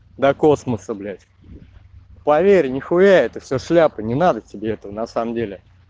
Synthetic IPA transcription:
d̪ɐko̞sməsəblʲætʲ | pɐvʲeɾʲnʲɪxʊjʲæɛt̪ɨfsʲoʂlʲapənʲɪnad̪ətʲɪbʲeɛt̪əvənɐsaməmdʲelʲɪ

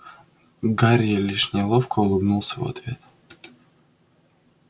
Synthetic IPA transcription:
ɡaɾʲjəlʲiʂnʲɪlˠofkʰəʊlˠɨbnulˠsʲəvɐ̰t̪vʲe̞t̪

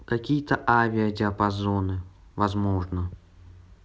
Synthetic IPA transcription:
kɐkʲijət̪əʔavʲɪədʲɪɐpɐzonɨ | vɐzmoʐnə

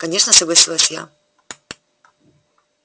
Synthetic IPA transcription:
kɐnʲe̞ʂnəsəɡlˠɐsʲilˠəsʲja̰

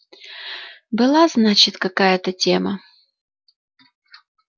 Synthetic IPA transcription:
bɨlˠaznat͡ɕɪt̪kɐkajət̪ətʲemə

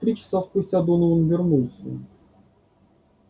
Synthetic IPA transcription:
t̪ɾʲit͡ɕɪ̥saspʊsʲtʲt͡sʲad̪unɨɔnvʲɪrnulˠsʲə̰

